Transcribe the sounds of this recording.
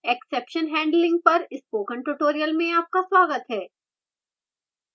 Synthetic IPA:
eksepʃənɦɛ̃ːɳɖlɪ̃ŋɡ̚pɐɾɪspoːkə̃ɳʈʊʈoːɾijəlmẽaːp̚kaswaːɡət̪ɦɛː

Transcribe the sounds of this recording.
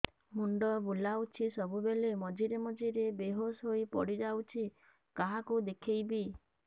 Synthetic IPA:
muɳɖɔbulawt͡ʃʰisɔbubelemɔd͡ʒiɾemɔd͡ʒiɾebeɦosɦoipɔ̰ɽid͡ʒawt͡ʃʰi | kaɦakud̪ekʰejbi

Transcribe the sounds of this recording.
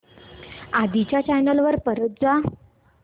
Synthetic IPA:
ad̪it͡ɕjat͡ɕajnəlʋəɾpəɾət̪̚d͡za

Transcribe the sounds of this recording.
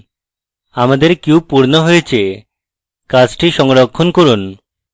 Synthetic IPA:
amad̪eɾkewpuɾnoɦojet͡ɕʰe | kat͡ɕʈiʃɔŋɾokʰːonkoɾun

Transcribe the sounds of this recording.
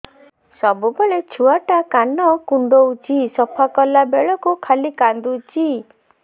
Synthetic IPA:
sɔbubɔɭet͡ʃʰuaʈakanɔkuɳɖowt͡ʃisɔpʰakɔlabeɭɔkukʰalikand̪ut͡ʃi

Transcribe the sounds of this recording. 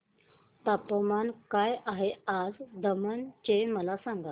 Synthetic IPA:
t̪apəmankajaɦead͡zd̪əmənt͡ɕeməlasãŋɡa

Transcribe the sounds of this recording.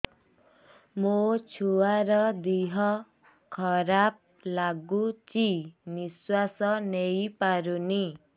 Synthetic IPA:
mot͡ʃʰuwaɾʌd̪iɦʌ | kʰʌɾap̚ | laɡut͡ʃiniswasʌnejpaɾuni

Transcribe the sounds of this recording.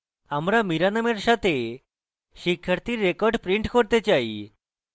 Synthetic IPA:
amɾamiɾanameɾʃat̪ʰe | ʃikʰːjaɾt̪iɾːekɔɾɖpɾiɳʈkɔɾt̪et͡ɕaḭ

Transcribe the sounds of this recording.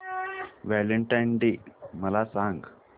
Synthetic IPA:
ʋæləɳʈajɳɖiməlasãŋɡ

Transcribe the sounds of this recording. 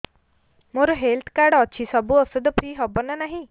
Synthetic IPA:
moɾoɦelt̪ʰkaɾɽɔt͡ɕʰisəbuɔsəd̪əpɾiːɦɔbɔnanaɦĩ

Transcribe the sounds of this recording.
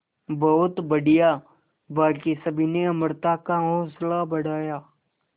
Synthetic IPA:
bɐɦʊt̪bɐɽija | baːkisɐbʱineɐməɾt̪akaɦɔ̃ːslabɐɽ̤ʱaːjaː

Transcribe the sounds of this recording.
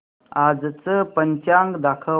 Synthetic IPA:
ad͡zt͡səpəɲt͡ɕjaŋɡd̪akʰə

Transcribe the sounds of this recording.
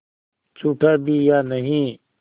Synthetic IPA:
t͡ʃʰuːʈʰaːbʱiːjaːnəɦĩː

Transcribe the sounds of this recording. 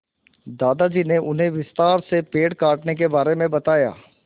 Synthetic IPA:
d̪aːd̪ad͡ʒiːneʔʊnɦẽʋɪst̪aːɾsepeːɽkaːʈnek̬ebaːɾemẽbɐt̪aːja̰ː

